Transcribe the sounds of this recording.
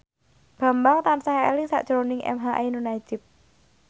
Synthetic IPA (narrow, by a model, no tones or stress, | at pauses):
b̥a̤mbaŋt̪ansaɦɛ̰lɪŋsa̰ʔʒ̥ɾonɪŋʔɛ̰mɦaʔenunai̥d͡ʒ̥ɪ̤p̚